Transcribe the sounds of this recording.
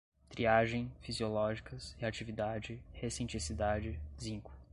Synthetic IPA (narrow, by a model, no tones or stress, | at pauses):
t̪ɾiaʒẽj̃fiziolɔʒikɐsɪat͡ʃivid̪ad͡ʒɪhesẽnt͡ʃɾisid̪ad͡ʒɪzĩŋkʊ̥